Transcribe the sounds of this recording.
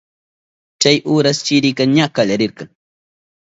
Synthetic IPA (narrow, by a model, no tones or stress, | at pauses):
t͡ʃajʔʊːɾast͡ʃɪɾɪkaŋɲakaʎaɾɪɾkɑŋ